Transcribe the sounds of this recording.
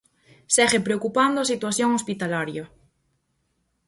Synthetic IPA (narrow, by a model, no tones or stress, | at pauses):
seɣepɾeokupand̪oasit̪waθjoŋospit̪alaɾja